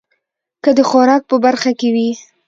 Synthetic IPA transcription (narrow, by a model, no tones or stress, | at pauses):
kəd̪əxʊɾɑk̚pəbaɾxakewi